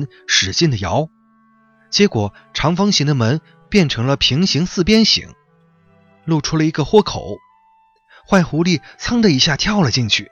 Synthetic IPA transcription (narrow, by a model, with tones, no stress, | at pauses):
n | ʂɻ̩˨˩ɕi˥˩nd̪ə˩jɑ˧˥ʊ | t͡ɕjɛ˧˥kwɔ˨˩ | ʈ͡ʂʰɑ˧˥ŋfɑ˥ŋɕi˧˥ŋd̪ə˧mə˧˥n | pjɛ˥˩nʈ͡ʂʰɤ˧˥ŋlə˧pʰi˧˥ŋɕi˧˥ŋsɹ̩˥˩pjɛ˥nɕḭ˧˩˥ŋ | lu˥˩ʈ͡ʂʰu˥lə˨i˧˥ɡə˧xwɔ˥˩kʰo˨˩˦ʊ | xwa˥˩ɪxu˧˥li˥˩t͡sʰɑ˥ŋd̪ə˧i˧˥ɕja˥˩t̪ʰjɑ˥˩ʊlə˩t͡ɕi˥˧nt͡ɕʰy˥˩